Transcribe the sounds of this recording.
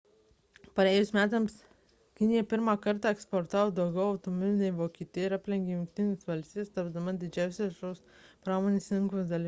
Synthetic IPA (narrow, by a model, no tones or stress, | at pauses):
pɐɾʲɛːjʊsmʲæːt̪ɐms | kʲɪnʲɪjɛpʲɪɾmɑːkɐɾt̪ɑːɛkspoɾt̪ɑːʋoːd̪ɐʊɡʲɛʊɐʊt̪omʲɔmʲɪnʲɛɪʋoːkʲiːt̪ʲɪjɛɪɾɐpʲlʲɛŋʲɡʲejʊŋk̚ʲt̪ʲɪnʲesʋɐlʲsʲt̪ʲiːɛst̪ɐbʲd̪ɐmɐd̪ʲɪd͡ʒʲæˑʊsʲɛʃoːs | pɾɑːmoːnʲeːsʲɪŋkosd̪ɐlʲi